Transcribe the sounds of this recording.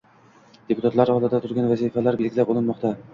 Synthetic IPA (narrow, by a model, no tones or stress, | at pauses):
d̪ʲepʊt̪at̪lˠɑɾɒd̪ɑd̪ɑt̪ʰʊɾɡʲænvæzifælæɾbilɡʲɪlæpulˠɤnmɒqt̪ɑ